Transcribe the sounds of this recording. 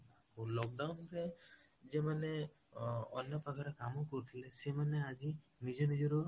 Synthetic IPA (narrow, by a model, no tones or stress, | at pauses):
olɔk̚ɖawnɾe | d͡ʒemane | ɔ̰njɔpakʰaɾekamɔkɔɾit̪ʰilesemanead͡ʒi | nid͡ʒɔnid͡ʒɔɾɔ